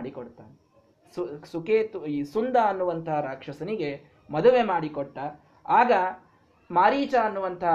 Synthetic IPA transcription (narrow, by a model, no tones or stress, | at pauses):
ɽikoɽt̪aːn | susukeːt̪uiːsund̪ɐːnːuʋɐnt̪ʰɐɦɐɾaːkʂɐsɐniɡe̞ | mɐd̪uʋe̞maːɽikɔʈːɐ | aːɡɐ | maːɾiːt͡ʃɐːnːuʋɐnt̪ʰɐɦ